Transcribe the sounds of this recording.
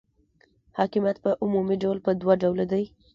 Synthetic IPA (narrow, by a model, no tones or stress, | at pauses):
hɑkɪmjat̪̚pəʔʊmumiɖawlpəd̪waɖawlad̪aj